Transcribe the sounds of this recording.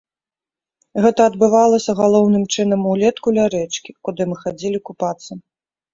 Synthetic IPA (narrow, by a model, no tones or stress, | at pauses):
ɣɛt̪ɐːd̪̚bɨvalˠɐsʲɐɣalˠɔwnɨmt͡ʂɨnɐmulʲɛt̪kulʲaɾɛt͡ʂkʲikud̪ɨmɨxad͡zʲɛlʲikupat̪sːɐ